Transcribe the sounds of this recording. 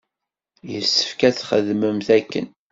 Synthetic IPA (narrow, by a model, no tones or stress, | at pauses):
jəsːə̥fkæθχəðməmθækːə̰n